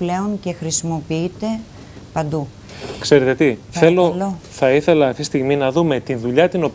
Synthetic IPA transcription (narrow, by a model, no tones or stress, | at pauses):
ple̞o̞nce̞xɾisimo̞piit̪e̞ | pɐnd̪u | kse̞ɾet̪e̞t̪iθeloloθɐiθe̞lɐɐft̪ist̪iɣminɐðume̞t̪inðuʎɐt̪ino̞p